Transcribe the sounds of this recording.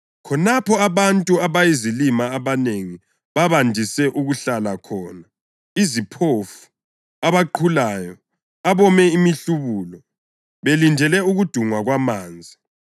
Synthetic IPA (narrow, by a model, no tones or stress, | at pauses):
kʰɔnapʰɔaβantʼuaβajizilimaːβaneŋi | βaβandʱisɛʔuɣuɬalakʰɔːna | izipʰofu̥ | aβaǃʰulaːjɔ | aβɔmɛimiɬuβulɔ | βelindʱɛlɛuɣud̥ʱuŋwaɣwamaːnd͡zʱi